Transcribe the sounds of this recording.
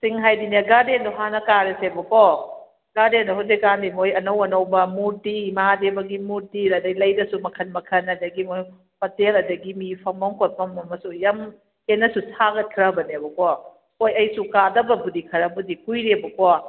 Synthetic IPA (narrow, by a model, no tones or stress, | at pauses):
siŋɦajdineɡadenduɦanɐkaɾesebɐkɔ | ɡadendɐɦuzekandimojɐnɐwɐnɐwbɐmuɾdimadebɐɡimuɾdilɐdɐɡilɐjdɐsumɐkʰɐnmɐkʰɐnɐdɐɡimoj | pɐtelɐdɐɡimipʰɐmɐŋkʰot̚mɐmɐmɐsujɐm | henːɐsusʰaɡɐt̚kʰɾɐbɐnebɐkɔ | ojɐjsukadɐbɐbudikʰɐɾɐbudikujɾebɐkɔ